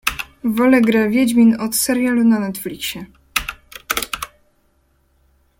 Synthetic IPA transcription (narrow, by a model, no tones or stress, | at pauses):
vɔlɛɡɾɛvʲjɛd͡ʑmʲinɔt̪sɛɾjalunanɛt̪flʲikɕɛ